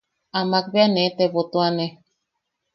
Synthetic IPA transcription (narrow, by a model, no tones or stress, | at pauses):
amak̚beanẽt̪eβot̪õane